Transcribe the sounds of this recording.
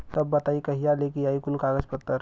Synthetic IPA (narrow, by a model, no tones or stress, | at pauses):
t̪əbːət̪aikəɦijalekijaikunkaɡəd͡ʒpət̪ːəɾ